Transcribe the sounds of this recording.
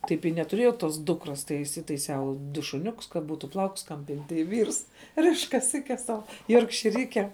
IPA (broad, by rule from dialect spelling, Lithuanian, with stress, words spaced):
ˈtɐɪp ɪ nʲɛtʊˈrʲeːjɛʊ ˈtoːs ˈdʊkroːs tɐɪ ɪsʲɪtɐɪˈsʲɛʊ ˈdʊ ʃʊˈnʲʊkʊs kɐ ˈbuːtʊ ˈplˠɐʊkʊs ˈkɐm ˈpʲɪnʲtʲ tɐɪ ˈʋʲiːrs ˈrʲɪʃ kɐˈsʲɪkʲɛs ˈsɐʊ joːrkʃʲɪˈrʲiːkʲɛm